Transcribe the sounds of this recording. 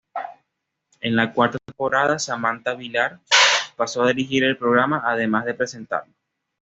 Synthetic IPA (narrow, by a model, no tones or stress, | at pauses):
enlakwaɾt̪at̪empoɾaðasamãnt̪aβilaɾpasoaðiɾixiɾelpɾoɣɾamaʔːðemazðe̞pɾese̞nt̪a̰ɾlo